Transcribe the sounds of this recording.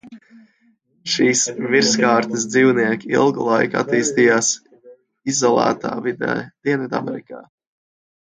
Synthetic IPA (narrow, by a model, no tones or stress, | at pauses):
ʃiːsviɾskaːɾt̪ɨs̬d̪ziːwniɛkʲiḭlˠɡulˠajka̰t̪iːst̪ijaːs | izɔlˠa̰ːt̪a̰ːvid̪ɛ̰ːd̪̥iɛnvid̪a̰mɛ̰ɾikaː